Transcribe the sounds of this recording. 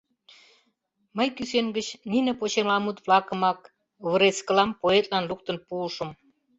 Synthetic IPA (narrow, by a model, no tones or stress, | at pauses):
məjkyseŋɡə̆t͡ɕninĕpot͡ɕemlɑmut̪βlɑkə̆mɑk | βə̆ɾeskə̆lɑmpoet̪̚ʼlɑnluk̚t̪ə̆npuːʃə̆m